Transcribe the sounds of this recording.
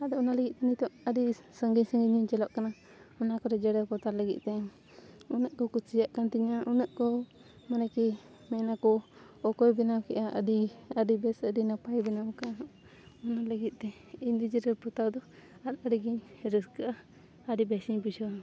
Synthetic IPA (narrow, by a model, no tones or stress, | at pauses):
ad̪ɔɔnaləɡit̪̚t̪ɛnit̪ɔʔədisəŋɡiɲsəŋɡiɲiɲt͡ʃɛlɔʔkana | ɔnakɔɾɛd͡ʒɛɽɛpɔt̪aɾləɡḭʔ̪̚t̪ɛ | unəʔkɔkut͡ʃijaʔkant̪iɲaʔunəʔkɔ | manɛki | mɛnakɔ | ɔkɔjbɛnawkɛʔaə̰diaɖibɛsəɖinapajbɛnawka | ɔnaləɡit̪̚ˀt̪ɛ | ind̪id͡ʒiɾɛlpɔt̪awd̪ɔat̪aɾiɡiɲɾəskəʔa | aɖibɛsiɲpusɔ